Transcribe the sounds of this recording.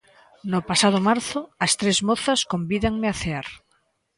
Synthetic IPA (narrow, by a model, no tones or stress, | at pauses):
nʊpasað̞ʊmaɾθʊɐst̪ɾezmoθɐskombiðaŋmɪaθeaɾ